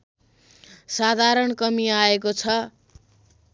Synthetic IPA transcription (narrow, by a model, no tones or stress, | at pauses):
sad̪ʱaɾʌɳkʌmiaekot͡sʰʌ